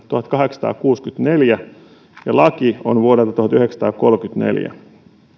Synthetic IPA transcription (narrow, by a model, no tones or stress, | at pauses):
t̪uhɑt̪kɑɦeksɑ̥t̪ɑ̰ːkuːskyt̪neljæ | jɑlɑkionʋuoɾelt̪ɑt̪uhɑt̪yheksɑ̥t̪ɑ̰ːko̞lkyt̪nḛljæ̰